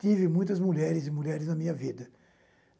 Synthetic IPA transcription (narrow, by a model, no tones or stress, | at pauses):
t͡ʃ̪ivɪmũj̃t̪ɐzmuʎɛɾɪzɪmuʎɛɾɪznɐmĩɲɐvid̪ɐ